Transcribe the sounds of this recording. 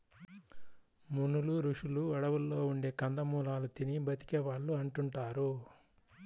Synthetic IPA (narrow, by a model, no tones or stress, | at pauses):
munuluɾuʂuluɐɽɐʋulːo̞ːuɳɖe̞ːkɐnd̪ɐmuːlaːlut̪inibɐt̪i̥kɛːʋaːɭːuɐɳʈuɳʈaːɾu